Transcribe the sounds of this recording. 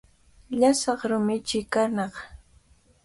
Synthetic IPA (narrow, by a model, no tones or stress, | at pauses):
ʎasɑχɾʊmɪt͡ʃɪkanɑχ